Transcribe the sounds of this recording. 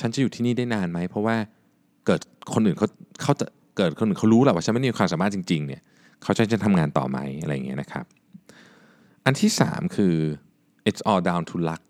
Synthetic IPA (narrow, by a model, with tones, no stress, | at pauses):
t͡ɕʰa˦˥nt͡ɕa˨˩juː˨˩iː˥˩niː˥˩da˥˩jnaː˧nma˦˥jpʰɾɔ˦˥waː˥˩ | kɤː˨˩t̪̚kʰo˧nʔɯː˨˩kʰa˦˥wkʰa˦˥wt͡ɕa̰˨˩ | kɤː˨˩t̪̚kʰo˧nʔɯː˨˩kʰa˦˥wɾuː˦˥la˨˩waː˥˩t͡ɕʰa˦˥nma˥˩ji˧kwaː˧msaː˨˦maː˥˩t̪t͡ɕi˧ŋt͡ɕi˧ŋni˥˩ɐ | kʰa˦˥wt͡ɕa˧˥˩t͡ɕa˨˩t̪ʰa˧mŋaː˧nt̪ɔ̰ː˨˩ma̰˦˥ja˧ɾa̰˧jːa˨˩ŋi˦˥na˦˥kʰa̰˦˥p̚ | ʔa˧nt̪ʰiː˥˩sa̰ː˩˦mkʰɯː˧ | ʔe˦˥sʔɔː˧daː˧wnt̪ʰuː˧la˦˥k̚